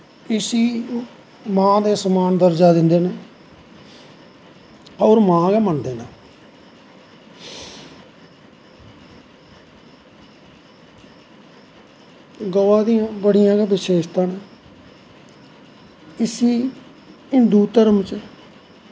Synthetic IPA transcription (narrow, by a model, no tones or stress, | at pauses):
ɪsiː | mãːd̪eːsəmaːnd̪əɾd͡ʒaːd̪ɪnd̪eːneː | ɔːɾmãːɡɛːmənd̪eːnãː | ɡoːãːd̪ijãːbəɽijãːɡaːʋɪʃeːʃt̪ãːnɛː | ɪsiː | ɪnd̪uːt̪əɾmt͡ʃə